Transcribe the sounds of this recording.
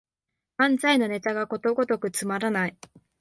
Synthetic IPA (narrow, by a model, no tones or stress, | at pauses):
ãnd͡zaino̞ne̞t̪aɡako̞t̪o̞ɡo̞t̪o̞kɯ̟t͡sɨmaɾanai